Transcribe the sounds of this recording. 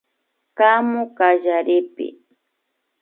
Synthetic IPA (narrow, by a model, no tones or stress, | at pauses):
kamʊkaʒaɾɪpɪ̰